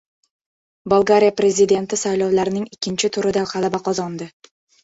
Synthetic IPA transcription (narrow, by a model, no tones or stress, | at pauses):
bolˠɡaɾʲijapɾe̞zid̪e̞nt̪ʰɪsajlɒwlaɾɪnɪŋɪkʲʰːɪnt͡ʃʰɪt̪ʰʊɾɪd̪aqʰɑlabaqʰɒzɒnd̪ɪ